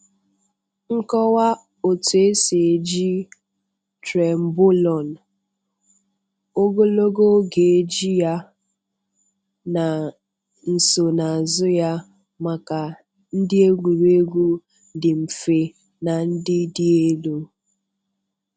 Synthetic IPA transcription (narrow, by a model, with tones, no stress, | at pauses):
ŋ̩˦kɔ˦wa˦ | o˨tu˨e˦se˨d͡ʒi˦ | tɾe˨m̩˨bo˦lɔ˨n˨ | o˦ɡo˦lo˦ɡo˦ɡe˨e˨d͡ʒi˦ja˦ | na˨ | n̩˨so˨na˨a˨zʊ˦ja˦ | ma˨ka˨ | n̩˦dɪ˦e˦ɡʷu˨ɾe˦ɡʷu˦ | dɪ˨m̩˨fe˨ | na˨n̩˦dɪ˦dɪ˦e˦lo˦